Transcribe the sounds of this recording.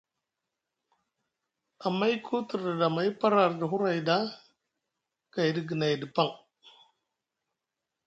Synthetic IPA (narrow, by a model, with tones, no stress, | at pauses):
a˨ma˦ji˦kʰu˦tu˨ɾdə˨da˨ma˨˦jpa˦ɾa˨ɾdə˨ɦu˦ɾa˨jda˦ | ka˨jdi˨ɡə˨na˨jdi˨pa˦ŋ